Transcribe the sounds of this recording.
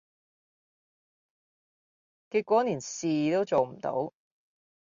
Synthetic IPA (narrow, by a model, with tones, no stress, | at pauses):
kiː˧t̚kʷɔː˨˥niː˨˩nsiː˨t̪o˥wt͡so˨wm̩˨˩t̪o̰˨˥w